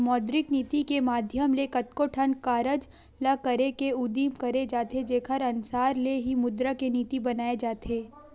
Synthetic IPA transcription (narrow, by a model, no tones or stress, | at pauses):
mɔːd̪ɾɪkniːt̪ikemaːd̪ʱjəmlekɐt̪koʈʰənkaːɾəd͡ʒ | lɐkɐɾekeʊd̪iːmkɐɾed͡ʒaːt̪ed͡ʒeːkʰəɾɐnsaːɾleɦimʊd̪ɾakeniːt̪ibɐnaːed͡ʒaːt̪eː